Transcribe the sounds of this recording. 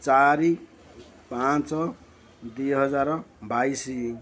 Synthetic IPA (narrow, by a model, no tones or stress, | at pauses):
t͡saɾi | pãt͡sʌ | d̪ijɦʌd͡zaɾbajsi